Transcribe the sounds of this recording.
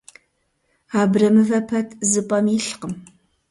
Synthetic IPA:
aːbrɐmɨvɐpʰɐtʰzɨpʼɐmiːɬqəm

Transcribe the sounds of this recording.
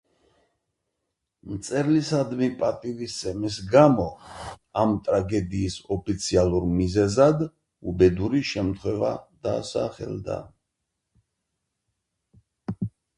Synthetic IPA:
mt̪sʼɛɾlisad̪mipʼat̪ʼivisɛmis̬ɡamɔamt̪ʼɾaɡɛd̪iːsɔpʰit̪sʰialˠuɾmizɛzad̪ | ubɛd̪uɾiʃɛmt̪ʰχwɛva̰d̪̥aːsa̰χɛ̰ld̪a̰

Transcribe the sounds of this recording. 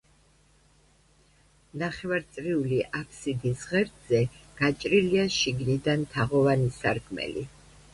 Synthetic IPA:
naχɛvaɾt̪sʼɾiuliʔapʰsid̪isʁɛɾd̪zɛɡ̥at͡ʃʼɾiliaʃiɡnid̪ant̪ʰaʁɔvanisaɾkʰmɛ̰lḭ

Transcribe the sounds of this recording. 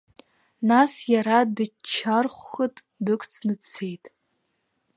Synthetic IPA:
nasjaɾadɨt͡ʃʰarχʷːətʼ | dɨkʷʰʼt͡sʰnɨt͡sʰe̞jtʼ

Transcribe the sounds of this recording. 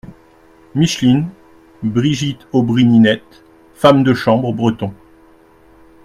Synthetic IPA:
miʃlin | bʁiʒit̪obʁininɛt̪ | famd̪əʃɑ̃bʁbʁət̪ɔ̃

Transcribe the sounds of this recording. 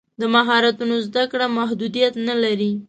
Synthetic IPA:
d̪əmaɦɑɾat̪unozd̪akɽamaɦd̪ud̪ijat̪nalaɾi

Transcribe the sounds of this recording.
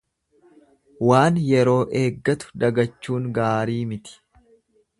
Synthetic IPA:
waːnjɛɾo̞ːʔe̞ːɡːɐt̪ʊ̥d̪ɐɡɐt͡ʃːuːŋɡaːɾiːmɪt̪ɪ̥

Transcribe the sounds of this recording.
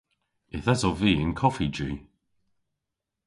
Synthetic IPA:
ɪθasɔviːɪ̃nkʰɔfid͡ʒʉː

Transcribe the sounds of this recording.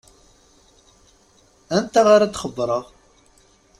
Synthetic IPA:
ænt̪aʁaɾad̪χəbːɾˤəʁ

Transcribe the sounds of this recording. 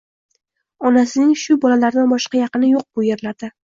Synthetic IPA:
ɒnasɪnɪŋʃʊbɒlalaɾd̪anbɒʃqɑjɑqɨnɪjoq̚bʊjeɾlaɾd̪ɪ

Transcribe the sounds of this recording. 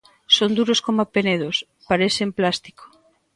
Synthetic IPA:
sond̪uɾoskomapeneð̞os | paɾeθemplast̪i̥ko̥

